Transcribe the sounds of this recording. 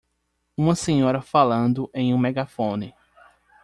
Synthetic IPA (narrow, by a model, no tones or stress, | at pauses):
ũmɐsẽɲɔɾɐfalɐ̃nd̪ʊʔẽj̃ũmɛɡafõnɪ